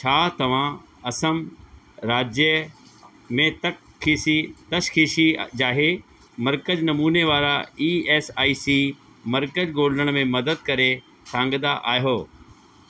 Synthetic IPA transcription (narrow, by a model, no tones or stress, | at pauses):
t͡ɕʰaːt̪ɐʋ̤ã | ɐsəm | ɾaːd͡ʑjə | mẽt̪ɐk | kʰːiːsit̪ɐʃxiːʃid͡ʑaːɦe | mɐɾkəd͡ʑnɐmuːneʋaːɾaiːeːsaːiːsiː | mɐɾkəd͡ʑɡoːləɽ̃mẽmɐd̪əd̪̚kɐɾe | sʰãːŋɡəd̪aʔaːjɦoː